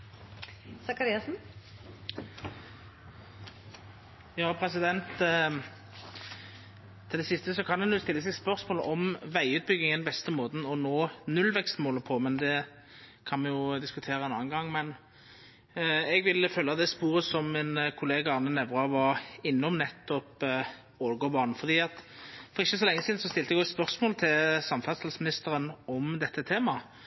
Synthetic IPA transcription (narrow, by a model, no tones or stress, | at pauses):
sɑkɑɾiːɑsn̩ | jɑːpʰɾɛsɪd̪ɛnt̪ | ɪld̪ɛsɪst̪əsɔkʰɑnd̪ɛnjʊst̪ɪlːəsɛɡspœʁsmoːlə̰ʔɔmʋæɪʉːt̪̚bʏɡːɪŋənbɛst̪əmoːd̪n̩ɔnoːnʉlʋɛkst̪moːləpʰɔmɛnd̪ɛ | kʰɑnmɛjʊd̪ɪskʉt̪ʰeːɾəɛnɑ̰ːnɡɑŋːmɛn | ɛɡʋɪlfœːlːɑt̪̚d̪ɛːspuːʁəsɔmːɪnkʰʊleːɡɑɑnːənɛʋʁɑʋɑɾɪnːɔmnɛt̪ːɔp | oɾɡɔbɑːʁnn̩fɔʁd̪iːɑt̪fɔʁɪçːəsɔlɛŋːəsiːd̪n̩sɔst̪ɪlt̪ɛɡɔt̪spœʁsmoːlət̪ʰɪlsɑmfɑst̪ɑlsmɪnɪst̪əɾənɔmd̪ɛt̪ːət̪ʰeːmɑ